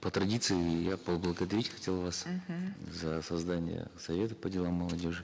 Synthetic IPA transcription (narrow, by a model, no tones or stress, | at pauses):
pət̪ɾɐdʲit̪sɨɪjapəblˠəɡəd̪ɐɾʲitʲxɐtʲe̞lˠvas | zəsɐzd̪anʲɪ̰jə̰sɐvʲe̞t̪əpədʲɪlˠamːəlˠɐdʲoʐɨ